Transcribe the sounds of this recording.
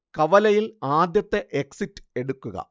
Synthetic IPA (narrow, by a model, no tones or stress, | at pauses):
kɐʋɐlɐjilaːd̪jɐt̪ːeʔeksitːɨ̥e̞ɽukːuɣɐ̰